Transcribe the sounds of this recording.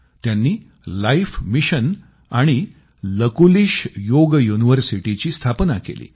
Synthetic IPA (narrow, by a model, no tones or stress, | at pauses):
t̪janːiː | laifmiɕən | aɽ̃i | ləkuliːɕjoɡjuniʋəɾsiʈit͡ɕiːst̪ʰapnakḛlḭː